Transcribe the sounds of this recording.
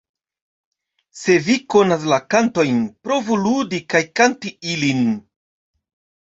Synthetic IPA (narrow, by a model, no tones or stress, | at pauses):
se̞viko̞nas̬lakanto̞jnpɾo̞vuludikajkantiilin